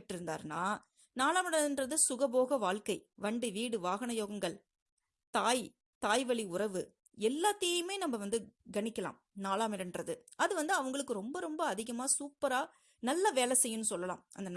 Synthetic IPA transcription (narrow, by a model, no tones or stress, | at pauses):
ʈːɪɾɯnd̪a̰ːɾna̰ː | naːlaːmɪɽɐnrɐðɯsʊɣɐboːɣɐʋaːɭkɐɪʋɐɳɖɯʋiːɽɯʋaːɣɐɳɐjoːɣɐŋɡɐɭ | t̪aːj | t̪aːjʋɐɭiʊɾɐʋɯ | ɛlːaːt̪ːɐjɐjɯmeːnɐmbɐʋɐnd̪ɯɡɐɳɪkːɐla̰ːmnaːlaːmɪɽɐnrɐðɯ | ɐðɯʋɐnd̪ɯɐʋɐŋɡɐɭɯkːɯɾɔmbɐɾɔmbɐːðɪɣɐmaːsuːpːɐɾaː | nɐlːɐʋeːlɐsɛjːɯnːɯsɔlːɐla̰ːmɐnd̪ɐn